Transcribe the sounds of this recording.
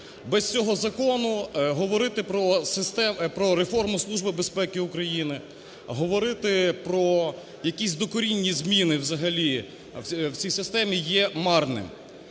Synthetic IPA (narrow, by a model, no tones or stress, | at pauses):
bɛst͡sʲɔɦɔzɐkɔnʊɦɔʋɔɾɪt̪ɪpɾɔsɪst̪ɛpɾɔɾefɔrmʊslˠuʒbɪbespɛkɪukɾɐjinɪ | ɦɔʋɔɾɪt̪ɪpɾɔ | jɐkʲisʲd̪ɔkɔɾʲinʲːizʲmʲinɪwzɐɦɐlʲi | wt͡sʲijsɪst̪ɛmʲijɛmɑrnɪ̰m